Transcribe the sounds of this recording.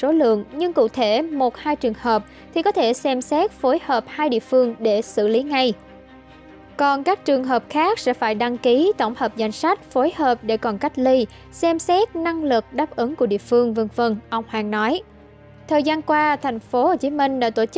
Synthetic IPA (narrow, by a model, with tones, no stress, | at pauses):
so˨˦lɨ̰˧˨əŋɲɨ˧ŋkṵ˧˨t̪ʰe˧˩mo˨˩t̚haː˧jt͡ɕɨ˨˩əŋhəː˨˩p̚ | t̪ʰi˨˩kɔ˨˦t̪ʰe˧˩sɛ˧msɛ˦˥t̚fo˨˦jhəː˨˩p̚haː˧jɗḭ˧˨əfɨ˧əŋɗe˧˩sɨ̰˧˨li˨˦ŋa˧j | kɔ˨˩nkaː˦˥k̚t͡ɕɨ˨˩əŋɦəː˨˩p̚xaː˦˥k̚sɛ̰˧˥faː˧˩jɗa˧ŋki˨˦t̪o˧˩wŋ͡mhəː˨˩p̚za˧jŋ̟sa˦˥jk̟̚fo˨˦jhəː˨˩p̚ɗe˧˩kɔ˨˩nka˦˥jk̟̚li˧ | sɛ˧msɛ˦˥t̚na˧ŋlɨ˨˩k̚ɗaː˦˥p̚ʔɨ˨˦ŋku˧˩ɗḭ˧˨əfɨ˧əŋvə˧nfə˧nʔə˧wŋ͡mhwa̰ː˧˩ŋnɔ˨˦j | t̪ʰəː˨˩jzaː˧nkwaː˧t̪ʰa˨˩jŋ̟fo˨˦ho˨˩t͡ɕi˨˦mï˧ŋ̟la̰ː˧˥t̪o˧˩t͡ɕ